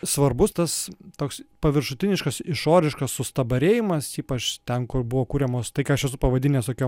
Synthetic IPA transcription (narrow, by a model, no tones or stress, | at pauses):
sʋɐrbʊst̪ɐst̪oːkspɐʋʲɪɾʃʊt̪ʲɪnʲɪʃkɐsɪʃoːɾʲɪʃkɐssʊst̪ɐbɐɾʲeːjɪmɐsiːpɐt͡ʃt̪ʲɛnkʊrbʊʋoːkuːɾʲɛmoːst̪ɐɪkːɐʃɛs̬ʊpɐʋɐd̪ʲɪnʲeːst̪oːkʲoː